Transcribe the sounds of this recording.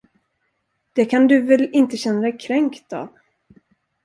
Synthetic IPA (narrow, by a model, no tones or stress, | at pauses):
d̪̥ɛkʰand̪ɵvɛlɪnt̪əɕɛnːaɾɛjkʰɾɛŋkt̪a̰ːv